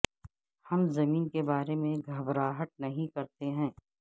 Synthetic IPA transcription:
hɐmzɐmiːnkebaːɾemẽɡʱɐbɾaːɦəʈ̪̚nɐɦĩkɐɾt̪eɦɛ̃ː

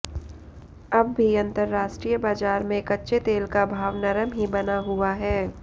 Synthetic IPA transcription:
ɐbːʱiɐ̃nt̪əɾːaːʃʈɾijəbaːd͡ʒaːɾmẽkɐtːʃet̪eːlkabʱaːʋnɐɾəmɦibɐnaɦʊaɦɛː

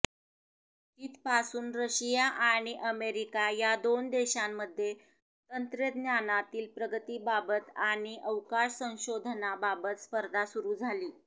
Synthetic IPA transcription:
t̪iːt̪pasuːnɾəɕijaʔaɽ̃iʔəmeɾikajad̪ond̪eɕamːəd̪ʱːje | t̪ənt̪ɾjəd̪njanat̪iːlpɾəɡət̪iːbabət̪aɽ̃iʔəʋkaʂsə̃w̃ɕod̪ʱnababət̪spəɾd̪ʱasuɾuːd͡zʱaliː

